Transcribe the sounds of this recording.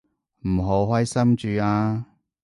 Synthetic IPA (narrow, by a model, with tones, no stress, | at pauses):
m̩˨˩ɦo˨˥whɔː˥jsɐ˥mt͡ʃyː˧aː˧